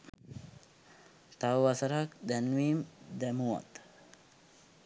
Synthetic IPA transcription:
t̪awʋasaɾak̚d̪ɛnʋiːmd̪ɛmuwa̰t̪

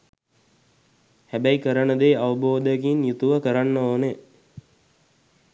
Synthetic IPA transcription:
hæbæjkəɾənəd̪eːaʋəboːd̪əkinjut̪uʋəkəɾanːəoːne

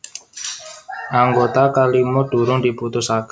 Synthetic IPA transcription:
ʔaŋɡot̪akalimod̥ṳɾʊŋdiput̪ʊsak

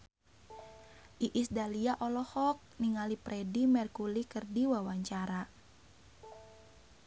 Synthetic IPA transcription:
ʔiʔisdaliaʔɔlɔhɔk̚niŋalipɾʔɛdimɛrkulikərdiwawaɲt͡ʃaɾa

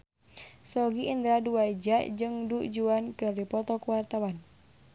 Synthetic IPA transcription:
sɔɡiʔind̪ɾaduwaid͡ʒaʔd͡ʒɨŋduʔd͡ʒuankɨrdipɔt̪ɔkuwart̪awan

